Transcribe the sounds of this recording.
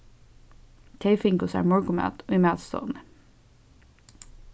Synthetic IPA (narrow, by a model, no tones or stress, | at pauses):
t̪ʰeɪfɪŋkʊsæ̰ɹmɔɹkʊmæ̰t̪imæt̪st̪o̰n